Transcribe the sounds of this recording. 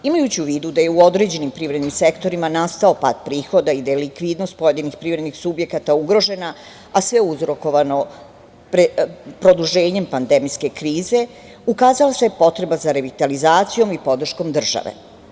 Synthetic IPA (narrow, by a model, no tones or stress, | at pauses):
imajut͡ɕiuʋiːd̪ud̪aje̞uod̪ɾe̞d͡ʑenimpɾivɾed̪nimsekt̪o̞ɾimanast̪ao̞pa̰ːt̪̚pɾiːxo̞d̪aid̪ajelikʋiːd̪no̞st̪̚po̞je̞d̪inixpɾiːvɾed̪nixsubje̞kat̪auɡɾo̞ʒe̞na | asʋe̞uzɾo̞ko̞ʋano̞ | pɾepɾo̞d̪uʒeːɲe̞mpand̪emijske̞kɾiːze̞ | ukaːzalasepo̞t̪ɾe̞bazaɾe̞ʋit̪alizaːt̪sijo̞mipo̞d̪r̩ʃko̞md̪r̩ʒa̰ʋḛ